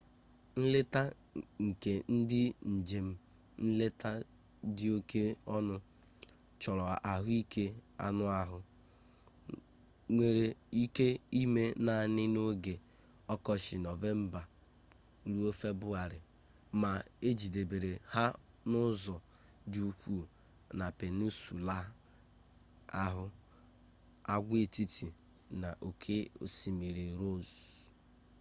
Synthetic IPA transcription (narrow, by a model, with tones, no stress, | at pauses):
n̩˦lɪ˦ta˦ | ŋ̩˨ke˨n̩˦dɪ˦n̩˨d͡ʒe˨m̩˦ | n̩˦le˦tʰa˦ | dɪ˦o˦kʰe˦ɔ˦nʊ˦ | t͡ʃɔ˨ɾɔ˨ʔa˨ɦʊ˦i˦kʰe˦a̰˦nʊ˦a˦ɦʊ˨ | ŋʷe˨ɾe˨i˦ke˦i˦me˦na˨nɪ˦no˦ɡe˨ | ɔ˦kɔ˦ʃɪ˨nɔ˨ve˦m̩˦ba˨ | ɾu˦o˦fe˦bʊ˦a˨ɾɪ˨ | ma˨e˦d͡ʒi˨de˨be˨ɾe˨ha˦ | nʊ˦zɔ˨ | di˦u˦kʷu˦˨ | na˨pe˨nu˦su˨la˦ | a˦ɦʊ˦ | a˦ɡʷe˦˨ti˦tʰi˨ | na˨ʔo˨kʰe˦o̰˨si˨mi˨ɾe˨ɾo˦˨z